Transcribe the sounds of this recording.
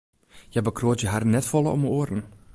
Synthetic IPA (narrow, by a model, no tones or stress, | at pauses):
jɛbəkʰroːtjəɦarnɛtfɔlˠəɔ̰məoərn̩